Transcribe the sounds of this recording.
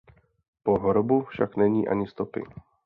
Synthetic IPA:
poɦoɾobufʃa̰knɛɲiːʔa̰ɲɪst̪opɪ̰

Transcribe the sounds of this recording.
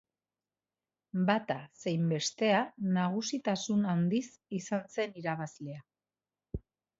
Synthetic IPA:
bat̪ase̞jmbe̞st̪e̞anaɣ̞usit̪asunand̪is | isanse̞niɾaβ̞azle̞a

